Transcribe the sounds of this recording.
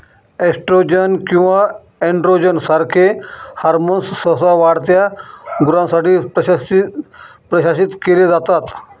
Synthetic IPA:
eksʈɾod͡ʒənkĩʋa | eɳɖɾod͡ʒənsaɾkʰehaɾmonssəsaʋaɽt̪jaɡuɾãsaʈip | pɾəɕaːsit̪keled͡zat̪at̪

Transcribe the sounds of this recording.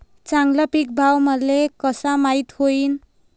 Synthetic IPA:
t͡saŋɡlʌpik̚bʱawmʌlekʌsamajt̪hoin

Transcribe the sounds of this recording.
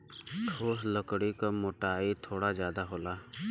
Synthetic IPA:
ʈʰoːsləkɽikamoːʈaːit̪ʰoːɽazjaːd̪aɦoːlaː

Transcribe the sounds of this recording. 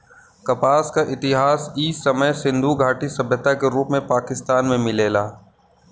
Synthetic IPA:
kɐpaːskaʔɪt̪ɪɦaːsiːsɐməjsɪ̃nd̪ʱuɡʱaːʈisɐbʱjət̪akeɾuːpmẽpaːkɪst̪aːnmẽmɪleːlaː

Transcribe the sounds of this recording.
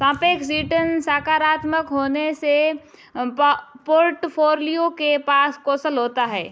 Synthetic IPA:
sãːpeːksiːʈənsaːkaːɾaːt̪məkɦoːnese | poːɾʈpʰoːɾlijõkepaːskoːsəlɦoːt̪aɦɛː

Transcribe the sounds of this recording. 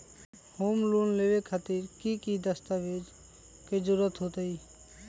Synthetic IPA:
hoːmluːnleːʋekʰat̪iɾkikid̪əst̪aʋeːd͡ʒ | ked͡ʒʊɾət̪ɦoːt̪əiː

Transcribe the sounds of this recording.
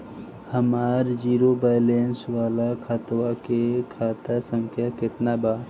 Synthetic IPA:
həmaːɾd͡ʒiːɾobaːɪleːnswaːlakʰat̪wakekʰaːt̪əsə̃ŋkʰjakɪt̪nabaː

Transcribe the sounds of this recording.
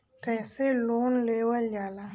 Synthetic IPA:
kɛ̃ːseloːnleːwəld͡ʒaːla

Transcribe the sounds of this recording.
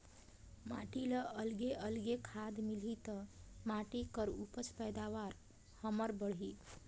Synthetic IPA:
ma̰ʈiləʔəlɡeʔəlɡekʰad̪milit̪əmaʈikəɾupət͡ʃpəjd̪aʋaɾ | həməɾbəɽɦi

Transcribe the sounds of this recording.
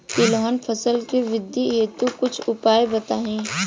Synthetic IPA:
kilɔɦənpʰəsəlkeʋɪd̪ːiɦeːt̪ukʊt͡ʃʰʊpaːebɐt̪aːɦĩː

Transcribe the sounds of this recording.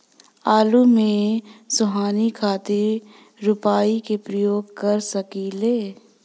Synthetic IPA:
aːlumẽsʊɦaːnikʰaːt̪ɪɾː | ʊpaːikepɾɐjoːɡkɐɾsɐkileː

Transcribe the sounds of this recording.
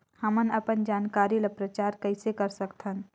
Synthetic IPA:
həmənəpənd͡ʒaːnkaːɾilapɾət͡ʃaːɾkəɪsekɐɾsəkt̪ʰən

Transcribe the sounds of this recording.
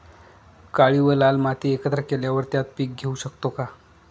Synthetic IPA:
kaɭiʋəlalmat̪iːekət̪ɾəkeljaʋəɾt̪jat̪̚piːk̚ɡʱeuɕəkt̪oka

